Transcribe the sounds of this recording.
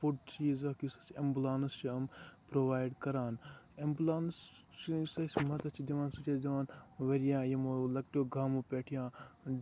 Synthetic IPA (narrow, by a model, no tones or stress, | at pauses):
puʈ̚t͡ʃʰiizɐkisɐsembulaːnst͡ʃiɐmpɾoʋaːjɖkɐɾaːn | embulaːns | t͡ʃisɐsʲmɐt̪ɐt͡ʃʰid̪iʋãːnsɐt͡ʃʰʲasd̪iʋaːnʋɐɾijãːjɐmolɐkʈoɡʱaːmupeːʈʰijãː